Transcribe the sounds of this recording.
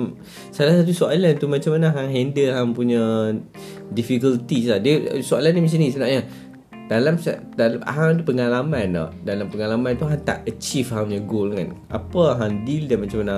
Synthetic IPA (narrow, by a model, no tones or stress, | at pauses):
m | salahsat̪usoalant̪umat͡ʃamːanaɦaŋɦɛndəlɦampuɲa | difikəlt̪isladiəsoalanimis̬inisənaʔɲa | dalamsa | dala̰ɦamt̪upəŋalamana̰dalampəŋalamãnt̪uɦat̪a̰ʔət͡ʃifɦamɲaɡolaŋanʔa̰pəɦamdildanmat͡ʃamana